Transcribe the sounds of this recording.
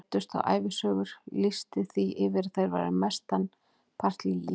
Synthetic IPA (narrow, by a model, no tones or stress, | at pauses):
t̪ʏst̪a̰wʔa̰ːjvɪsœːɣʏɾ̥lɪst̪ɪθiɪvɪɾθejɾva̰jɾɪ̰mɛst̪an | pʰar̥t̪lɪli